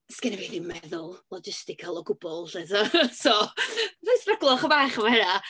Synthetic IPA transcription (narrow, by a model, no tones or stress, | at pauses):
skɪnɛviːnimɛðʊlˠlˠɔd͡ʒɪstɪkʰalˠɔɡʊb̥ɔlˠtetasovajsraɡlˠɔχəbaːχəvaɛɾa